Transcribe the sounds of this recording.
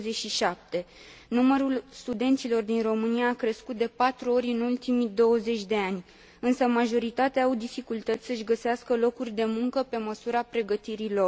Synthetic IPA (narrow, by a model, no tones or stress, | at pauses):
zeʃiʃap̚t̪e̞numəɾulst̪ud̪e̞nt̪silo̞rd̪inro̞mɨniaːkɾe̞skut̪̚d̪e̞pat̪ɾuo̞ɾʲɨnult̪imid̪o̞wəze̞t͡ʃʲd̪e̞anʲ | ɨnsəmaʒo̞ɾit̪at̪eaːwd̪ifikult̪ət̪sʲsəɨʃʲɡəseaskəlo̞kurʲd̪e̞muŋkəpe̞məsuɾapɾe̞ɡət̪iɾilo̞